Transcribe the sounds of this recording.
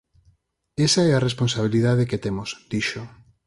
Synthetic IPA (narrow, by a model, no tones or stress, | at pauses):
esaɛarespõnsaβ̞iliðaðeket̪emosd̪̥iʃo